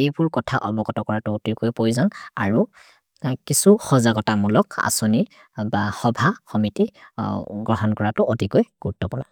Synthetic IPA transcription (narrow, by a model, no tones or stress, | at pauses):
ejbʊɹkɔtʰaʔɔbɔɡɔtɔkɔɹatʊːtikojpojzanaɹu | kisuxɔzaɡɔtamulɔka̰soni | baxɔbʱaxɔmiti | ɡɹɔɦɔnkɔɹatʊʔotikojɡ̥utːɔpɔɹa̰